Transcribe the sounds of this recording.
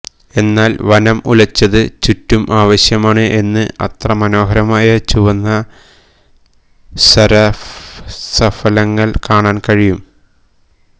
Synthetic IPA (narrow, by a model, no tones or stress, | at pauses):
e̞nːaːlʋɐnɐmṵlɐt͡ɕːɐðɨt͡ɕutːumʔaːʋɐɕjɐmaːɳɨʔe̞nːɨɐ̰t̪rɐmɐno̞ːɦɐɾɐmaːjɐt͡ɕuʋɐnːɐ | sɐɾɐ | sɐfɐlɐŋːɐɭkaːɳaːnkɐɻijum